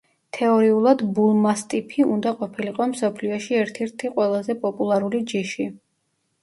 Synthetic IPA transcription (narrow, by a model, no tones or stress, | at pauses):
t̪ʰɛɔɾiulˠad̪bulˠmast̪ʼipʰiund̪aqʼɔpʰiliqʼɔmsɔpʰliɔʃiɛɾt̪ʰɛɾt̪ʰiqʼwɛlˠazɛpʼɔpʼulˠaɾulid͡ʒiʃi